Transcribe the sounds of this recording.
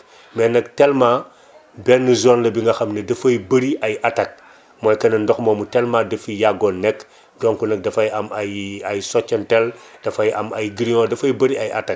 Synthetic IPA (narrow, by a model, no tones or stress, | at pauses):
mɛnɐk̚telma | bɛnːuzoːnlɐbiŋɡɐxɐmnɐdɐfɐjbɐɾiʔɐjʔatɐk̚ | mojkɐnɐndoxmoːmutɛlmadɐfijaɡonɛk | doŋkunɐk̚dɐfɐjɐmjajsot͡ʃːɐnteld̥ɐfɐjɐ̰mɐjɡiɾiŋodɐfɐjbɐɾiajʔa̰tɐk̚